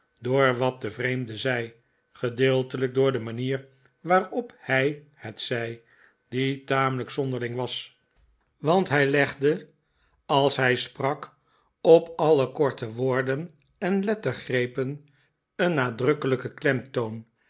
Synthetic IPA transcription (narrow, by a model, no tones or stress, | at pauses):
doːɹʋɑt̚dəvrejmdəzɛj | χədɪːlˠtələk̚dʊːɹdəmaniːɹ | ʋaːrɔphɛj | hətsɛj | d̥itaːmələksɔnd̪əʁlɪŋʋɑs | ʋɑntɦɛjlɛχdə | ɑlˠsɦɛjsprɑk | ɔpɑləkɔɹtəʋoːɹdən | ɛnlɛtəχrejpən | ənːaːdrɵkələkəklɛmtown